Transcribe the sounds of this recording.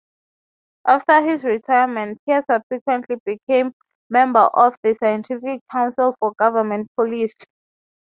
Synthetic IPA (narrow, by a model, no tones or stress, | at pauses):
ʔaftəhizɹitʰajamɛ̃nthiɛsab̥sikʰwɛ̃ntʰlibikʰẽmː | ɛ̃mbə̰ʔɔfðəsajɛ̃ntʰifikʰːãw̃nsilfɔɡavəmɛ̃nt̚pʰɔlis